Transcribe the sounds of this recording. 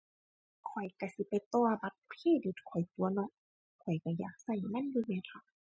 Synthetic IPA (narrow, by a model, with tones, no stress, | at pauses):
kʰɔ˨˩jka˧˩si˧˦pa˨jt̪ɔː˧ba˧˦˥t̪̚pʰeː˧˥˨di˧˦t̪̚kʰɔ˨˩jt̪u˨˦ɐnɔ˧˨ʔ | kʰɔ˨˩jka˧˩jaː˨˩k̚sa˧˩jma˧˥˨njuː˧mɛː˧˨nkʰa˧˥